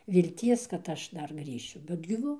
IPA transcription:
ʋʲɪlʲˈtʲiɛs kɐt ˈɐʃ ˈdɐr ˈɡrʲiːʃʲʊ bʲɛt ɡʲiːˈʋɐ

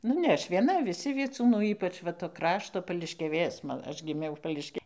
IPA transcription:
ˈnʊ nʲɛ ˈɐʃ ʋʲiɛˈnɐ ʋʲɪˈsʲɪ ʋʲiɛˈt͡suːnuː ˈiːpɐt͡ʃ ˈʋɐ toː ˈkrɑːʃtoː pɐlʲɪʃʲkʲɛˈʋʲeːs ˈmɐ ˈɐʃ ɡʲɪˈmʲɛʊ pɐlʲɪʃʲˈkʲɛ

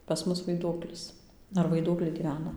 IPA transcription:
pɐs ˈmʊs ʋɐɪˈduɔklʲɪs ɐr ʋɐɪˈduɔklʲɛɪ ɡʲiːˈʋʲæːnɐ

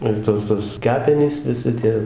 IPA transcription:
ɪr ˈtoːs toːs ˈkʲæːpʲɛnʲiːs ʋʲɪˈsʲɪ tʲiɛ

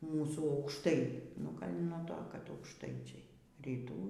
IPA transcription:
ˈmuːsuː ɐʊkʃˈtɐɪ nʊ ˈɡɐlʲ nuɔ ˈtoː kɐt ɐʊkʃˈtɐɪt͡ʃʲɛɪ rʲiːˈtuː

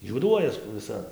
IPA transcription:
juɔˈduɔjɛs ʋʲɪˈsɐ

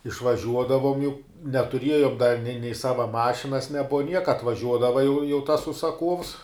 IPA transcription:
ɪʃʋɐˈʒʲuɔdɐʋoːm jɛʊ nʲɛtʊˈrʲiɛjoːm dɐ nʲɛɪ nʲɛɪ ˈsɑːʋɐ ˈmɑːʃʲɪnɐs nʲɛˈbʊʋɐ ˈnʲiɛkɐ ɐtʋɐˈʒʲuɔdɐʋɐ jɛʊ jɛʊ tɐs ʊʃsɐˈkuɔws

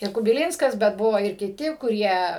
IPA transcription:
ɪr kʊbʲɪˈlʲiːnskɐs bʲɛt ˈbʊʋoː ɪr kʲɪˈtʲɪ kʊˈrʲiɛ

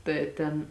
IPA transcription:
tɐɪ ˈtʲɛn

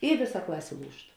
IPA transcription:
ɪ ˈʋʲeːˌsɐ ˈklˠɑːsʲeː ˈlˠuːʃt

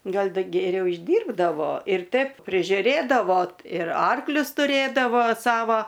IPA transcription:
ˈɡɐlˠ ˈdɐ ɡʲɛˈrʲɛʊ ɪʒʲˈdʲiːrbdɐʋoː ɪr ˈtʲɛp pʲrʲɪʒʲʊˈrʲeːdɐʋoː ɪr ˈɐrklʲʊs tʊˈrʲeːdɐʋoː ˈsɑːʋɐ

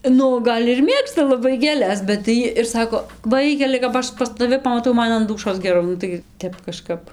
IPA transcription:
ˈnʊ ˈɡɐlʲ ɪr ˈmʲeːkstɐ lˠɐˈbɐɪ ɡʲeːˈlʲɛs bʲɛt tɐɪ ˈjiː ɪr ˈsɑːkoː ˈʋɐɪkʲɛlʲɪ kɐp ˈɐʃ pɐs tɐˈʋʲɪ pɐmɐˈtɐʊ ˈmɐn ɐn ˈduːʃoːs ɡʲɛˈrɐʊ ˈnʊ tɐɪ ˈtʲɛp kɐˈʃkɐp

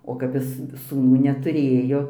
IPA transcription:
oː kɐp ˈjɪs suːˈnuː nʲɛtʊˈrʲeːjoː

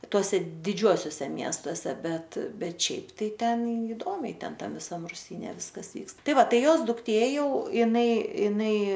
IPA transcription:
ˈtuɔsʲɛ dʲɪˈd͡ʒʲuɔsʲoːsʲɛ ˈmʲiɛstoːsʲɛ ˈbʲɛt ˈbʲɛt ˈʃʲɛɪp tɐɪ ˈtʲɛn iːˈdoːmʲɛɪ ˈtʲɛn ˈtɐm ʋʲɪˈsɐm rʊˈsʲiːnʲɛ ˈʋʲɪskɐs ˈʋʲiːkst ˈtɐɪ ˈʋɐ ˈtɐɪ ˈjoːs dʊkˈtʲeː ˈjɛʊ ɪˈnɐɪ ɪˈnɐɪ

